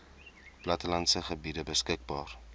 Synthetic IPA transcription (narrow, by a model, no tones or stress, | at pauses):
plɐtəlɐntsəχəbidəbəskək̚bɑːr